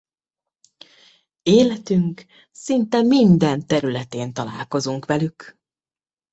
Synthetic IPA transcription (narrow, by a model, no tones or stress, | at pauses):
eːlɛt̪yŋk | sint̪ɛmind̪ɛnt̪ɛɾylɛt̪eːnt̪ɒla̰ːlko̞zuŋkʋɛlyk